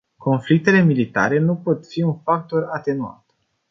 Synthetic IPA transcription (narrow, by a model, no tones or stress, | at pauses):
ko̞nflik̚t̪e̞le̞milit̪a̰ɾe̞nupo̞t̪fiunfak̚t̪o̞rat̪e̞nua̰t̪